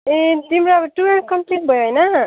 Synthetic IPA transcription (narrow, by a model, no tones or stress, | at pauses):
et̪imɾaʌbʌʈuɾʌnʈ̚kʌmpliʈ̚bʱʌjõjnʌ